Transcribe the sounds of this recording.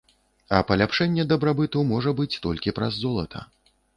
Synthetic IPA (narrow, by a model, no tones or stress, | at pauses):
ɐpɐlʲapʂɛnʲːɛd̪ɐbɾabɨt̪ɐwmɔʐɐbɨt͡sʲt̪ɔlʲkʲipɾɐzːɔlˠɐt̪ʰɐ̰